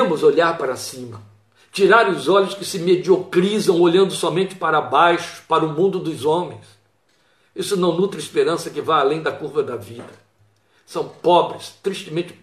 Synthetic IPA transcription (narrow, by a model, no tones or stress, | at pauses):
mʊzoʎaɾpaɾɐsĩmɐ | t͡ʃiɾaɾʊzɔʎʊskɪsɪmed͡ʒiokɾizɐ̃w̃oʎɐ̃nd̪ʊsɔmẽnt͡ʃɪ̥paɾɐabajʃʊ̥paɾɐʊmũnd̪ʊd̪ʊzõmẽj̃s | isʊnɐ̃w̃nut̪ɾɐɪspeɾɐ̃sɐkɪvajalẽj̃d̪ɐkuɾvɐd̪ɐvid̪ɐ | sɐ̃w̃pɔbɾɪst̪ɾiʃt̪ɪmẽnt͡ʃɪ̥